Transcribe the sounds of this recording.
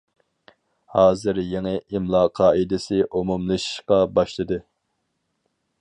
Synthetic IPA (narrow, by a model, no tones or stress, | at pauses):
hɑːzɨɾjeŋɪʔimlˠɑːqʰɑːid̪ɪsɪʔumumlˠɨʃqɑbɑʃlˠɨd̪ɨ